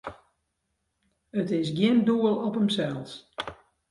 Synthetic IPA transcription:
ətɪsɡjɪnduəlˠɔpəmsɛlˠs

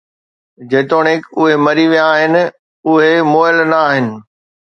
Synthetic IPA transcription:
d͡ʑeːt̪oːɽ̃ɪkʊɦemɐɾiʋijaːɦɪnɪ̆ | ʊɦemoːɪəlnɐːɦɪnɪ̆

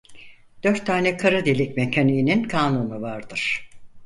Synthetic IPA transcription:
d̪̥øɾt̪ʰːaːnɛkʰaɾɯd̪elʲicmecʰanijːninkʰaːnunuvaɾd̪ɯɾ̥

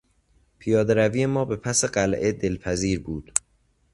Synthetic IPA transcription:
pʰijɒːd̪eɾæviːje̞mɒːbe̞pʰæse̞ɢælʔe̞d̪e̞lpʰæziːɾbuːd̪̥

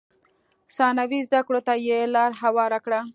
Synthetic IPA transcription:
sɑnawizd̪akɽot̪ajelɑɾɦawɑɾakɽa

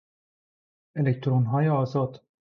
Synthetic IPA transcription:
elect̪ʰɾonɦɒːjeɒːzɒːd̪̥

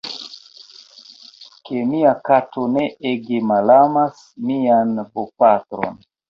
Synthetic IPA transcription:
ke̞miakatʰone̞ʔeɡemalamas | mianbopatɾo̰n

